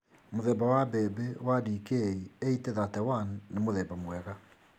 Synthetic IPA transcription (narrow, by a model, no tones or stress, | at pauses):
moðɛbawabɛːbewadiːkeieiteðatɛwanːemoðɛbamwɛɣa